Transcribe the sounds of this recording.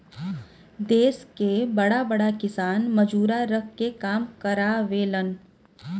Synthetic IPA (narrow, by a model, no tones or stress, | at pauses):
d̪eːskebɐɽabɐɽakɪsaːnməd͡ʒuːɾaɾəkʰkekaːmkəɾaːʋeːlən